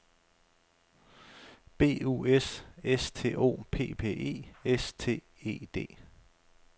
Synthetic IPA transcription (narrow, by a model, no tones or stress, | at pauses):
b̥e̝̰ːṵesest͡sʰe̝̰ːʔo̝̰ːpʰe̝̰ːpʰe̝̰ːʔe̝̰ːest͡sʰe̝̰ː | e̝̰ːd̥e̝̰ː